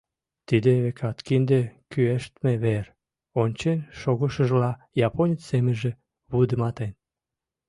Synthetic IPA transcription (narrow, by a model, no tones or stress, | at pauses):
t̪id̪eβekʰɑt̪kind̪ekyeʃt̪meβer | onʲt͡ɕenʃoɣəʃəʒlɑ | jɑponʲət͡sːemeʒe | βud̪əmɑt̪en